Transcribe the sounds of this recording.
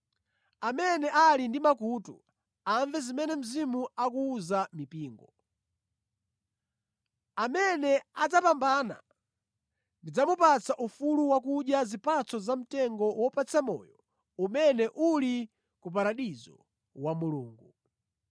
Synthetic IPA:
amɛnɛʔalindimakutṵ | aɱvɛzimɛnɛm̩zimuakuːzamipiːŋɡɔ | amɛnɛad͡zapambana̰ | ndid͡zamupat͡saʔufuluwakuɗjazipʰat͡sɔzam̩tɛŋɡɔwɔpat͡samɔ̰ːjɔ | umɛnɛʔuli | kup̬aɾaɗizɔ | wamuluːŋɡu

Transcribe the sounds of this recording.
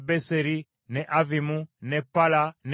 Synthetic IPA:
bɛsɛɾi | nɛʔavimunɛpalan

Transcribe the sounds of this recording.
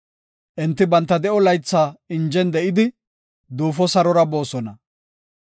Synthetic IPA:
ʔɛnt̪ːɪbɐnt̪ːɐd̪ɛʔɔlɐjt͡sːaːɪnd͡ʒɛnd̪ɛʔɪd̪ɪ | d̪uːfɔsɐɾɔɾɐbo̞ːsɔnɐ

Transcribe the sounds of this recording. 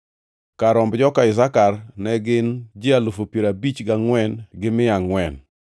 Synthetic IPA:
kaɾɔmbd͡ʒɔkaɪzakarnɛɡɪnd͡ʒɪalofopjeɾabit͡ʃɡaŋwɛnɡɪmɪaŋwɛn

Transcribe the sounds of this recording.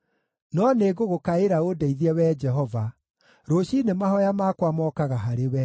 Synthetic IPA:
nɔneɡoɣokaeɾaodɛiðiɛwɛːd͡ʒɛɦɔva | ɾoɕinemahɔjamaːkwamɔːkaɣaɦaɾewɛ

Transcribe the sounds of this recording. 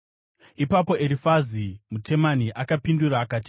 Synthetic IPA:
ipapo̞eɾifazimutʰe̞maniʔakapinduraːkaːti̥

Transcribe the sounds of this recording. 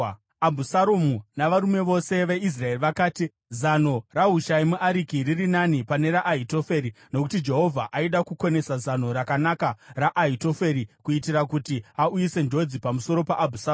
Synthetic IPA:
abʱusaɾomunaʋaɾume̞ʋo̞se̞ʋe̞is̬rae̞riʋakaːti | zano̞raɦuʃaimuʔaɾikiririnanipane̞ɾaʔaito̞feɾino̞kutid͡ʒe̞ɦo̞vʱaʔaiɗakuko̞ne̞sazano̞ɾakanakaraʔːito̞feɾikuitirakutiaujise̞nd͡ʒo̞d͡zipamuso̞ɾo̞paʔabʱusa

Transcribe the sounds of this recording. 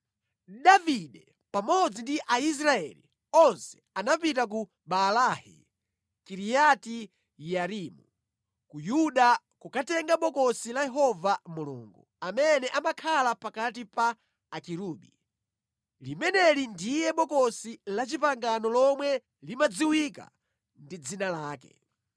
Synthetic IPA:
ɗaviɗɛ | pamɔd͡zindiʔais̬ɾaɛ̰lḭ | ɔnsɛ̥ | anap̬itak̬u | ɓalahɛ̰ | kiɾijati | jaɾiːmu | kujuɗa | kukatɛŋɡaɓɔkɔsilajɛɦɔvamulṵːŋɡɔ | amɛnɛʔamakʰalapakat̬ipaː | kiɾuːɓi | limɛnɛlindijɛɓɔkɔsilat͡ʃipaŋɡanɔlɔmwɛ | limad͡ziwika̰ | ndid͡zinalaːkɛ̰

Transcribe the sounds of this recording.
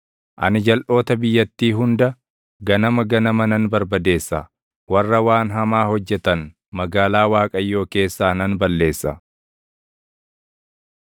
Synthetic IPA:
ʔɐ̰nɪd͡ʒɐlʔo̞ːt̪ɐbɪjːɐt̪ːiːɦʊnd̪ɐ | ɡɐnɐmɐɡɐnɐmɐnɐnbɐɾbɐd̪e̞ːsːɐ̰ | wɐrːɐwaːnɦɐmaːhɔd͡ʒːɛt̪ɐn | mɐɡaːlaːwaːkʼɐjːo̞ːke̞ːsːaːnɐnbɐlːe̞ːsːɐ̰

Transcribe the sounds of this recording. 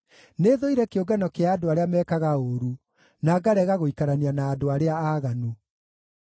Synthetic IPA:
neðoiɾɛkeoɡanɔkeaːdoaɾeamɛkaɣaoːɾu | naɡaɾɛɣaɣoikaɾanianaːdoaɾeaaːɣanu

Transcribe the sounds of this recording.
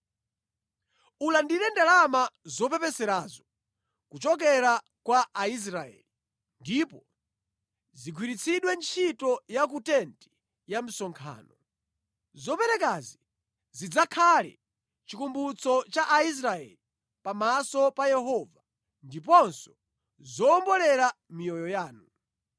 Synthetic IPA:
ulandinɛndalamazɔpɛpɛsɛɾazɔ | kut͡ʃɔk̬ɛɾa | kwaːis̬ɾaɛ̰li | ndipɔ | ziɡʰwiɾit͡sʰiɗwɛnt͡ʃʰitɔjak̬utɛnti̥ | jam̩sɔŋkʰa̰ːnɔ | zɔpɛɾɛkazi | zid͡zakʰalɛ̰ | t͡ʃikumbut͡sʰɔt͡ʃaʔais̬ɾaɛ̰li | pamasɔpajɛɦɔːva | ndip̬ɔnsɔ | zɔːmbɔlɛɾamijɔjɔjaːnu

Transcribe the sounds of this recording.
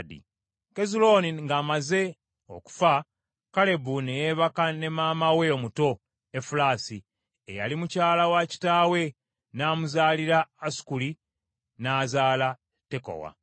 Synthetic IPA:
dḭ | ke̞zulo̞niŋɡaːmaze̞ | o̰ku̥fa | kale̞bunejeβakane̞maːmawe̞omuto̞ | efulaːsi | ejalimucaːlawaci̥taːwe̞ | naːmuzaːliɾaːsu̥kuli | naːzaːla | te̞ko̰wa̰

